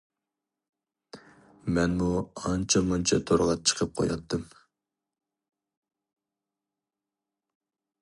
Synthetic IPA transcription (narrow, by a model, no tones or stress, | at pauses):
mɛnmuɑnt͡ʃʰɑmont͡ʃʰɑt̪ʰoɾʁɑt͡ʃʰə̥qʰəp̚qʰo̰jɑt̪ʰːɨm